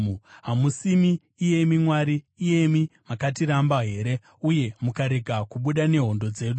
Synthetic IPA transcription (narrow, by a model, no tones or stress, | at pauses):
ɦamusimiː | je̞mimwaɾiːje̞mimakatiɾambaɦe̞ːɾe̞ | uje̞mukaɾe̞ɡʱakuɓuɗane̞ɦo̞ndo̞d͡ze̞ːɗu